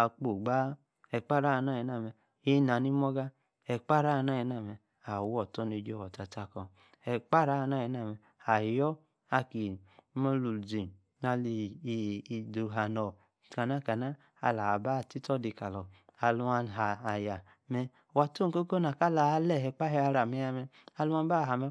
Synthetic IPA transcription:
a˨k͡po˨ɡ͡ba˦ | ɛ˨k͡pa˦ɾa˦˧˨na˦ji˨na˦˨mɛ˧ | e˦na˨ni˦m˦ɔ˦ɡa˦ | ɛ˨k͡pa˦ɾa˦˨˧na˦˨ji˧na˨mɛ˧˨ | a˨wɔ˨tɔ˦ne˧˨d͡ʒɔ˦˨wɔ˨ta˨ta˧kɔ˧ | ɛ˨k͡pa˦ɾa˦˧na˦˨ji˨˦na˦˨mɛ˧ | a˨jɔ˦ | a˧ki˨˦mɔ˦lu˨d͡zi˨ | na˧li˧˨˧do˨˧ɦa˨nɔ˨ | tka˨na˦˨ka˨na˦ | a̰˧la˨ba˦˨ti˦tɔ˦di˧ka˨lɔ˨a˧lu˧a˧nɦaː˨ja˨ | mɛ˧˨ | wa˨to˦˨ŋ˨ko˦ko˦na˨ka˦la˨˦lɛ˦˨ɦɛ˧k͡pa˦ɦɛ˧˦a˧ɾa˨mɛ˦ja˧mɛ˧ | a˧lu˦a˦n˦ba˦˨ɦa˨mɛ˧

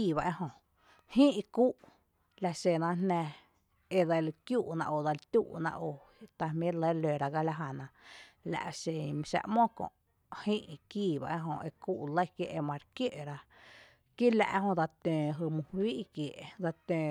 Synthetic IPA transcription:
iː˦˧˨βa˧ʔe˦ɦõ˧ | hĩ˦ʔi˧kuː˦ʔ | la˧ʃe˧˨nã˧nnæ̃˧ | e˧d̪a˧lkjuː˦ʔnã̰˧ʔo˨d̪a˧lt̪ʲṵː˦ʔnã̰˧ʔo˧ | t̪a˧mĩ˦le˦le˨ɾa˧ɡa˧la˧ɦa˧˨nã˧la̰˨ʔʃe˨˧mĩ˧ʃa̰˧ʔmõ˦kõ̰˧˨ʔ | hĩ˦ʔkiː˦˧˨ba̰˧ʔe˦ɦõ˧˨ʔe˧kuː˦ʔlə˦jkje˧ʔe˧mã˧ɾkje˦˨ʔɾa˧ | ki˦la̰˧ʔɦõ˧d̪a˧t̪ẽː˨ɦə˧˨mũ˧hwiː˦ʔkje˨ʔd̪a˧t̪ẽː˨

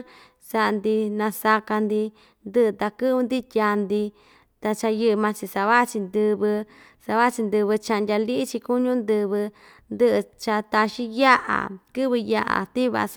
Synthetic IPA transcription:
sa˧ʔnd̪i˧nã˧sa˧ka˧nd̪i˧ | nd̪ɨ˦ʔɨ˧t̪a˧kɨ˦ɨ˧nd̪i˦t̪ʲa˧nd̪i˧ | t̪a˧t͡ʃa˧jɨ˧ʔɨ˧mã˧t͡ʃi˧sa˧βa˦ʔt͡ʃi˧nd̪ɨ˧βɨ˧ | sa˧βa˦˧t͡ʃi˧nd̪ɨ˧βɨ˧t͡ʃã˧ʔndʲa˧li˦t͡ʃi˧ku˦ɲũ˦nd̪ɨ˧βɨ˧ | nd̪ɨ˦ʔɨ˧t͡ʃa˧t̪a˧ʃi˦ja˦ʔa̰˨kɨ˦βɨ˧ja˧ʔa̰˨t̪i˦βa̰˧

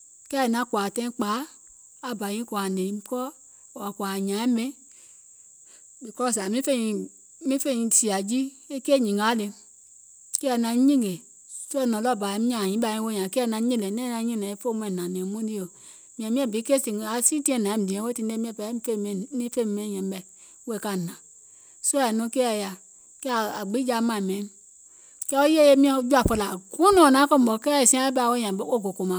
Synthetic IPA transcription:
kɛ˦˨nã˨˦kwa˨tɛ̃˦ĩ˦k͡paː˨˦ | a˨ba˨jĩ˧˦kwa˨nẽ˨˦kɔ˦˨ | a˨kwa˨ɲã˨˦ɛ˦mẽ˦ | bi˨kɔ˦s̬a˨mĩ˦fe˦˨ĩ˧ | mĩ˦fe˦˨ĩ˧si˨a˨d͡ʒi˦ | e˦keː˦˨ɲĩ˨ŋa˨˦le˧ | kɛ˦ɛ˨nã˧˦ɲĩ˦ɡe˨ | so˦ɛ˦˨nɔ̃˨lɔ˦˨ba˨˦mĩ˦ã˨ɲĩ˨˦ɓa˧˨ĩ˧˦wo˧˦ɲã˨ke˦˧˨nã˧˦ɲĩ˦˨le˨nɛ̃˦˨nã˧˦ɲĩ˦nɛ̃˨i˦fo˦m˧ɛ̃˨nã˨nẽ˨mõ˦di˦o˨ | mĩ˨ɛ˨mĩ˦ɛ˦˨bi˨˦ke˦si˨a˨˦si˦ti˦ɛ̃˦˨nã˨e˦m˨di˨ɛ̃˨˦we˦ti˦n˦e˦mĩ˦ɛ˦˨pɛ˨˦fe˦˨ni˦fe˦m˨me˦˨jɛ˨m˦bɛ˨˦ | we˦˨ka˦˨nã˨ | so˦ɛ˨no˦ke˦a˨ja˨ | ke˦˨a˨ɡ͡bi˦d͡ʒa˦mã˦˨me˨˦n | kɛ˦o˦je˦je˦mi˦d͡ʒu˦a˨fo˨la˨ɡu˦no˨na˨˦ko˦m˨bo˨ke˦˨si˦a˦be˦a˨wo˦jã˨˦o˦˨ɡo˨ko˨ma˨

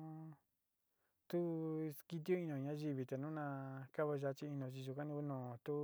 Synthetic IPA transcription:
t̪u˦˧ki˧t̪̬i˦o˦i˧nõ˧˨ɲã˦ʒi˧βi˧t̪a˨nũ˦nã˧ka˦βa˧ʒa˧˦t͡ʃi˧i˧nõ˧t͡ʃi˧ʒu˧kã˦nĩ˧ku˦nõː˨t̪u˦

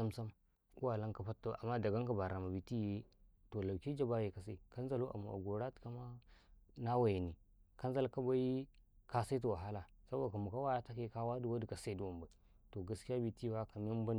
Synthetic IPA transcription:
a˦msa˦m | ku˦wa˨la˦ŋka˦pa˦tːo˦ʔa̰˨mːa˦da˨ɡa˦ŋka˦˨ba˨ɾa˨ma˨bi˨ti˦je˦to˨la˨ki˦d͡ʒa˦ba˦je˨ka˨sa˦i˨ka˦nza˦lu˦ʔa̰˨mu˨ʔa̰˨ɡo˨ɾa˦tka˦ma˦ | na˦wa˨ji˨ni˨ka˦n˦za˦lka˦ba˦i˦ka˦sa˦i˦t̬u˨wa˨ɦa˦la˨sa˦bo˦da˨ka˨mu˨ka˦wa˦ja˦ta˦ke˦ka˦wa˦di˦wa˦di˨ka˨sa˦i˦du˨wa˨mba˨i˨to˨ɡa˦ski˦ja˦bi˨ti˦wa˦ka˨m˦i˦m˦ba˦n˦

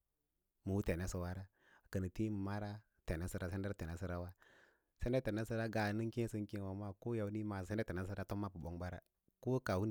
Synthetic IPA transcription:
mu˨wu˦te˨ne˦su˨wa˦ɾa˦˨ | kə˨ni˨ti˦mu˨ma˦ɾa˦ | te˨ne˦si˦ɾa˦˨se˦nde˦ɾe˨ne˨˦si˦ɾa˦wa˦ | se˦n˦de˦te˨ne˦si˦ɾa˦ɡa˨ni˦ŋki˦si˦ŋ˦ki˦wa˨˦ma˦ko˦ja˨wni˦ma˨se˦e˦te˨ne˦s̬i˦ɾa˦to˦mːa˦pu˨bo˦ŋba˦ɾa̰˦ | ko˦ka˨wu˦n˨

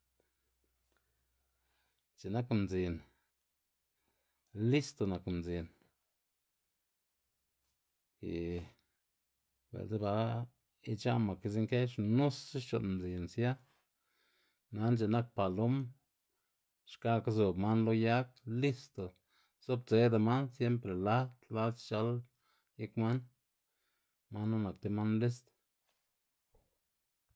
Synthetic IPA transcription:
t͡ʃe˨na˦kmzi˨n | li˦st̪o˨na˨kmzi˨n | ḭ˨ | bḛ˨lze˦ba˧ | i˦t͡ʃa˦ma˨ki˧z̬i˦ŋke˦ʂnu˦si˦t͡ʃo̰˨n˨md͡zi˨nsja˦ | na˨˦nt͡ʃe˨na˦k̚pa˨lo˦m | ʂka˦ka˦zo˨bma˦nlo˦ja˦k̚li˦st̪o˨ | z̥o˦b̚t͡se˨˦d̪a˨ma˦nsje˦mpɾe˨la˦t̪la˦d̪t͡ʃa˧˦l | ji˦kma˦n | ma˦nːo˦na˨k̚t̪e˧˦ma˦nli˦st̪

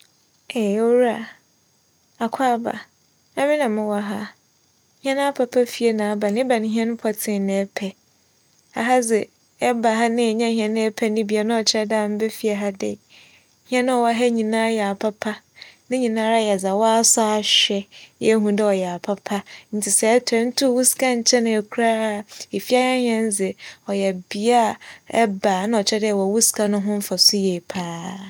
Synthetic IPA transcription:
ɛ˨˦o˦ɾa˨ | a˨kʰa˦ba̰˨ | ã˦mɪ̃˦nã˨mɪ̃˦wa˨ɦa˦ | hã˦ñ˦a˦pʰa˨pʰa˦fi˨e˦nãː˨a˦ba˨nɪ̃˦ba˨nɪ̃˨˦ɦĩ˦ɛ̃˦ñ˦pʰa˨tʰɪ̃˨nɪ̃˨ɛ˦pʰɛ˨ | a̰˨ɦa˦d͡zɛ˨ | ɛ˦ba˨ɦa˦nɪ̃˦ɛ˨ɲã˦hĩ˦ɛ̃˦nɪ̃˦ɛ˦pʰɛ˦nɪ̃˦bi˨a˨nã˦ɔ˨t͡ɕʰɪ˦ɾɛ˦da˦˨m̩˦bɛ˦fi˦a˨ɦa˦dɛ̰˦ | hĩ˦ɛ̃˦nʊ̃˦ɔ˨wa˦ɦɛ˦ɲĩ˨nã˦jɛ˨a˨pʰa˦pʰa˦ | nɪ̃˦ɲĩ˨nãː˦ɾa˦˨jɛ˨za˨wa˦a˦sa˦a˨ɕᶣɛ˦jɛ˦ɦũ˦dɛ˦ɔ˨jɛ˨a˨pʰa˦pʰa˦n̩˦tʰɪ˨sɛ˨ɛ˦tʰɛ˨˦n̩˦tʰʊ˦˨wu˦ska˦ɲ̩˨t͡ɕʰɛ˦nɪ̃˨ɛ˨kʰu˦ɾa˦a˦˨e˨fi˦a˦ã˦hĩ˦ɛ̃˦n˦zɪ˨ɔ˨jɛ˨bi˨a˦˨ɛ˦baː˨nʊ̃˦ɔ˨t͡ɕʰɛ˦dɛ˦˨ɛ˨wɔ˨wu˦skʰa˨nʊ̃˦ɦʊ̃˦m̩˦fa˨sʊ˦jɛ˨pʰaː˦

